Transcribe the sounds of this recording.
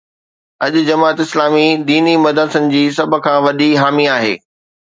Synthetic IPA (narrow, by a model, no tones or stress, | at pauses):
ɐʄʊ̆d͡ʑɐmaːt̪ɪslaːmid̪iːnimɐd̪əɾsənɪ̆d͡ʑiːsɐbʱʊ̆kʰãːʋɐɗiɦaːmiaːɦḛː